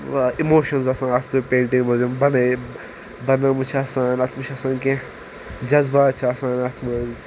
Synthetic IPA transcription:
imoːʃɐnzɐsãːnɐt̪ʰupẽːɳʈĩŋmɐzumbɐnɐ | bɐnɐmut͡ʃʰɐsaːnɐt̪ʰmut͡ʃʰɐsãːnkẽ | d͡ʒɐzbaːt͡ʃʰɐsaːnɐt̪ʰmɐz

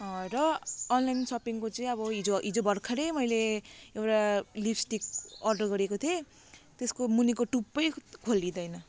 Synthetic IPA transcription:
ʌrʌːnlajnsʌpiŋkot͡sʌĩʌbʌɦid͡zoɦid͡zobʱʌɽkʰaɾejmʌjleewʈalibsʈik̚ʌrɖʌrɡʌɾekot̪ʰio | t̪eskomunikoʈupːʌjkʰolːid̪ʌjnʌ

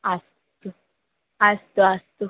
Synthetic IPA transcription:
as | t̪u | ast̪uast̪u

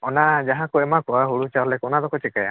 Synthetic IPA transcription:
ɔnad͡ʒaɦãkɔɛmakɔaɦuɽut͡ʃaɔlɛkɔnad̪ɔkɔt͡ʃɛkaja̰

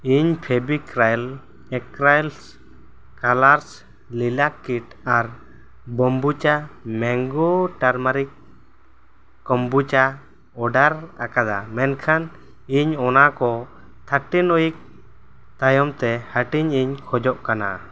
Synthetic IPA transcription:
iɲpʰɛbikɾajl | ɛkɾajls | kalaɾs | lilakːiʈaɾ | bɔmbut͡ʃamɛŋɡɔʈaɾmaɾik | ɔmbut͡ʃa | ɔɖaɾakad̪a̰mɛnkʰan | iɲɔnakɔ | t̪ʰaʈinɔjik̚ | t̪ajɔmt̪ɛhaʈiɲiɲkʰɔd͡ʒɔʔkana̰

